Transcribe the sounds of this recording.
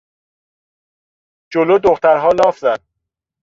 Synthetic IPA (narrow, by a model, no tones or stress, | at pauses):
d͡ʒolod̪oxt̪æɾɦɒːlɒːfzænd̪̥